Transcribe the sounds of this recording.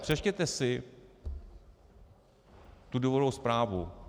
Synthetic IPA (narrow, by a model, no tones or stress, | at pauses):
pr̥ɛʃcɛt̪ɛsɪ | t̪uduvoɾowspɾaːvu